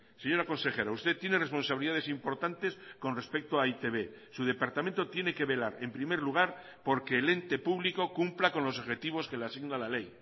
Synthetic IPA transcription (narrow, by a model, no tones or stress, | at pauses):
se̞ɲo̞ɾako̞nse̞xe̞ɾaust̪e̞t̪jene̞respo̞nsaβliðaðesimpo̞ɾt̪ant̪e̞sko̞nre̞spe̞k̚t̪oait̪e̞βe̞ | suð̞e̞paɾt̪ament̪o̞t̪je̞ne̞ke̞βe̞laɾe̞mpɾime̞ɾluɣ̞aɾ | po̞ɾke̞ːle̞nt̪e̞puβliko̞kumplako̞nlo̞s̬oβxe̞t̪iβ̞o̞ske̞lasiɣnalale̞j